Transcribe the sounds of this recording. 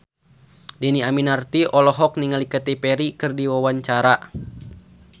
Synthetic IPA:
dɛniaminart̪iʔɔlɔɦɔk̚niŋalikat̪ipɛɾikɨrdiwawaɲt͡ʃaɾa

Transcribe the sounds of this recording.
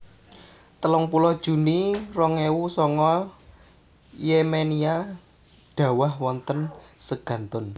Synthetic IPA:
t̪əlɔŋpulɔhd̥ʒ̥ṳnirɔŋewusɔŋɔ | jemenia | ɖ̥ä̤waɦwɔnt̪ənsəɡ̥ä̤nt̪ʊn

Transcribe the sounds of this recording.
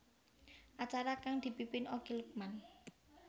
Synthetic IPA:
ʔat͡ʃaɾakaŋd̪̥i̤pipɪnoɡ̥ilək̚man

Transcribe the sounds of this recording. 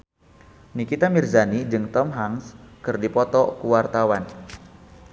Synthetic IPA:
nikit̪amirzanid͡ʒɨŋt̪ɔmɦaŋskɨrdipɔt̪ɔkuwart̪awan

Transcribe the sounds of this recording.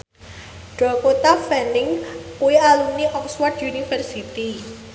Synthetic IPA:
ɖ̥ɔ̤kot̪afɛndɪŋkuialuniʔɔkswɔrd̪unifərsit̪i

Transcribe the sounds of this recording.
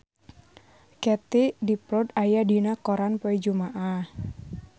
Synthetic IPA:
kɛt̪idipɾɔd̪ajadinakɔɾanpɔid͡ʒumaʔa

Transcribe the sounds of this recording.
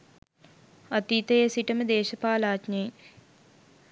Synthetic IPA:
ɐt̪iːt̪əjesiʈəməd̪eːʃɐpaːlaːt͡ʃne

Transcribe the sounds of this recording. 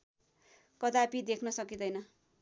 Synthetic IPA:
kʌd̪apid̪ekʰnʌsʌkid̪ʌjnʌ

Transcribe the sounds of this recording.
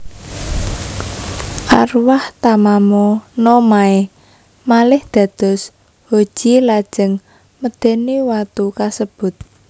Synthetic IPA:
ʔarwaht̪amamɔnɔmae | malɪhd̪̥ä̤d̪̥ɔ̤s | ho̥ʒ̥ilad̥ʒ̥əŋ | məd̪̥e̤newat̪ukasəb̥ʊ̤t̪̚

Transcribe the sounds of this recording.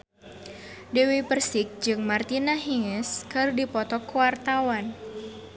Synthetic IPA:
dewipərsɪk̚d͡ʒɨŋmart̪inaɦiŋəskɨrdipɔt̪ɔkuwart̪awan

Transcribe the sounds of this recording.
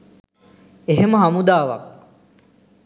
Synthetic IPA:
eɦeməɦamud̪aːʋa̰k̚

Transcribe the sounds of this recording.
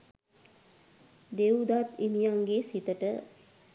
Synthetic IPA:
d̪ewud̪at̪imijaŋɡesit̪əʈə

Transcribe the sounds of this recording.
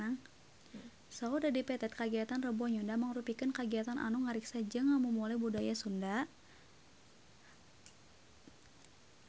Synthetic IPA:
aŋ | saudadipɛt̪ɛt̪̚kaɡiat̪anrəbuaɲundaməŋɾupikənkaɡiat̪anʔa̰nuŋaɾiksad͡ʒəŋamumulabudajasunda

